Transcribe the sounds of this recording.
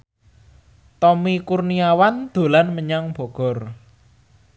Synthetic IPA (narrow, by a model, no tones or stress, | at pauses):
t̪ɔmikurniawand̪̥o̤lanməɲaŋb̥ɔ̤ɡ̥ɔ̤r